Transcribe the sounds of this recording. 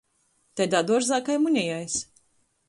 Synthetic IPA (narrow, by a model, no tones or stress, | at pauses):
t̪ʲad̪ad̪uɔʒzakajmuɲʲijajs